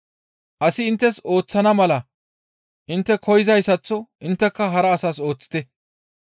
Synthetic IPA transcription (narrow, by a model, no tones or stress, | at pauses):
ʔɐsɪːnt̪ːɛso̞ːt͡sːɐnɐmɐlɐ | ʔɪnt̪ːɛkʰɔjɪzɐjsɐt͡sːɔʔɪnt̪ːɛkːɐɦɐɾɐːsaːso̞ːt͡sːɪ̥t̪ɛ